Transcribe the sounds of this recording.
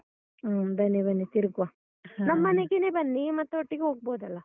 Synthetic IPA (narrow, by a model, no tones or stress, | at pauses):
bɐnːibɐnːit̪iɾɡʋa | nɐmːɐneɡenebɐnːimɐt̪ːuoʈːiɡeɦoːɡ̚boːd̪ɐlːɐ